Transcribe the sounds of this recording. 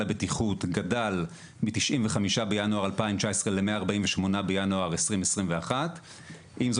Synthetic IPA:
abetiχutɡadal | mitiʃʔimveχamiʃabejanuaʁalpaimt͡ʃaesʁelemeaːʁbaimveʃmo̞nabejanuaʁesʁimesʁimveaχat | imzo

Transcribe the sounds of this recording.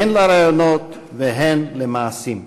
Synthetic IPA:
enlaɾajonot̪ | veɦenlemaːsim

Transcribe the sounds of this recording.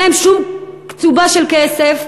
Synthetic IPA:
emʃumkt͡subaʃelkesef

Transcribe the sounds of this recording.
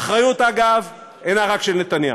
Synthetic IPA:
aχʁajut̪aɡav | enaʁakʃelnet̪anja̰

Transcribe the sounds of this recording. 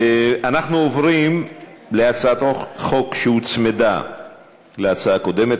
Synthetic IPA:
eanaχnuovʁim | leat͡saat̪oχokʃehut͡smed̪a̰ | leat͡saako̞d̪emet̪

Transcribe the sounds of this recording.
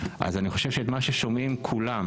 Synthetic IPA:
ʔa̰zaniχo̞ʃevʃet̪maʃeʃo̞mimkʰulam

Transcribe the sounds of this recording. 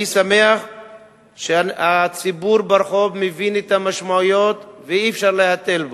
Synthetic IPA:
sameaχ | ʃeat͡sibuɾbaɾχobmevinet̪amaʃmaujot̪veifʃaʁlehat̪e̞lbo

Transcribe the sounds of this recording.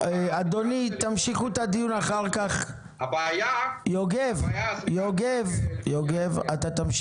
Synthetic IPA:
ad̪onit̪amʃiχut̪ad̪ijunaχaʁkaχ | bjajoɡevjoɡevjoɡevat̪at̪am

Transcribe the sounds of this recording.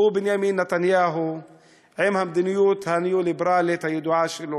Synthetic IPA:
ubenjaminːat̪anjaɦu | ʕemhamd̪inijut̪hanijulibeɾalet̪hajod̪uaʃelo

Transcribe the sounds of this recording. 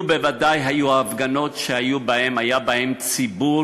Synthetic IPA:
bevadajɦajuaːfɡano̞tʃeajubae̞majabae̞mt͡sibu

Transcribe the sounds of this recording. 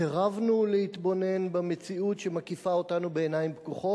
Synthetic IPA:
eʁavnuleit̪bo̞ne̞nbamet͡siutʃe̞makifao̞tanubeːnajimbkuχo̞

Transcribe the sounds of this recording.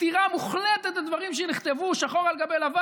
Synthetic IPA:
t̪iʁamuχlet̪et̪ad̪vaʁimʃ̬eniχt̪evuʃaχo̞ʁalɡabejlava

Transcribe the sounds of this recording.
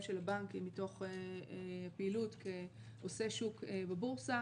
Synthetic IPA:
mʃelabaŋkimito̞χepeilutke | ose̞ʃukbebuʁsa

